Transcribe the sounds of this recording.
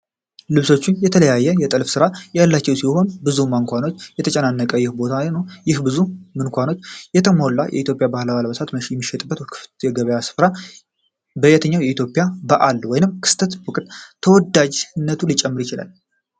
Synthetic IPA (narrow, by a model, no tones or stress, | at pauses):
lɨβso̞t͡ʃːɪnjɛt̪ʰələjajːɛjɛt̪ʼəlfsɨɾajalːat͡ʃːɛwsiho̞nbɨzumaŋkʷano̞t͡ʃːjɛt̪ʰət͡ʃʼɛnanːəkʼəjɪhbo̞t̪ʰanəwjɪhbɨzumɨnkʷano̞t͡ʃːjɛt̪ʰəmo̞lːa̰jʔɛ̰ʔit̪ʰʲjo̞pʼjabahlaβalbəsʰat̪məʃijɛmːiʃːɛt̪ʼɨbːət̪kʰɨft̪jɛɡəβəjasɨ̥fɾa | bəjɛt̪ʰəɲːawjɛit̪ʰjo̞pʼɪjabəʔalwɔjnɨmkʰɨ̥st̪ʰət̪wɔkʼt̪ʰəwɔd̪ad͡ʒnːət̪ʰulɨt͡ʃʼɛmːɨɾjɪt͡ʃɪla̰l